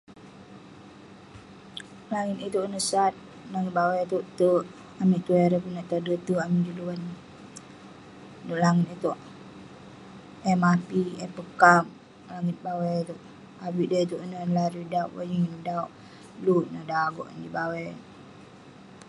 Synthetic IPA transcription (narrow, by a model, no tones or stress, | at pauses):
laŋit̪it̪oʔnəsat̪̚ | laŋit̪̚bawɛjt̪oʔt̪əʔ | amiʔt̪uɛɾəpunaʔt̪adət̪uamidiluwan | doʔlaŋit̪it̪oʔ | ɛmapiɛpəkam | laŋit̪̚bawɛjt̪uʔ | awiʔdəit̪uʔnənlaɾidauʔwa̰jiŋnədaoʔ | luʔnadaɡɔʔdibawɛ